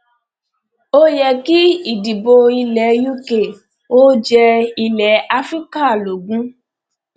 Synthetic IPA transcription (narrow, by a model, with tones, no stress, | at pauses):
o˦jɛ˧ki˦i˦˨di˨bo˧i˧lɛ˨˦ju˦ke˨ | o˦d͡ʒɛ˧i˧lɛ˨˦a˦fɾi˦ka˦˨lo˨ɡũ˨˦